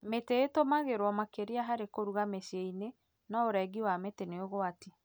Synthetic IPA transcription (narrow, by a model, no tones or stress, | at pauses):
meteːtomaɣeɾwɔmakeɾiaɦaɾekoɾuɣamesieine | naoɾɛɡiwameteneoɣoate